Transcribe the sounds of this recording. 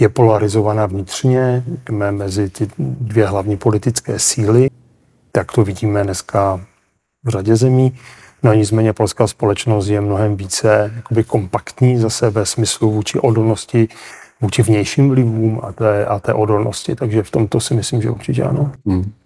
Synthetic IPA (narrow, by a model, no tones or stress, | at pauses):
jɛpo̞laɾɪzo̞vanavɲɪt̪r̝̥ɲɛmɛmɛzɪt̪ɪdvjɛɦlavɲiːpo̞lɪt̪ɪt͡skɛ̰ːsiːlɪ | t̪akt̪o̞vɪɟiːmɛnɛskʰa | vraɟɛzɛmiː | noɲɪt͡smɛːɲɛpo̞lskaːspo̞lɛt͡ʃno̞st̪jɛmno̞ɦɛmviːt͡sɛjakobɪko̞mpakt̪ɲiːzasɛvɛsmɪsluvuːt͡ʃɪʔo̞do̞lnoscɪvuːt͡ʃɪvɲɛjʃimvlɪvuːmʔa̰t̪ɛʔat̪ɛ̰ːʔodo̞lnoscɪt̪aɡʒɛft̪o̞mt̪o̞sɪmɪslimʒɛuɾt͡ʃɪcɛ̰ʔa̰no̞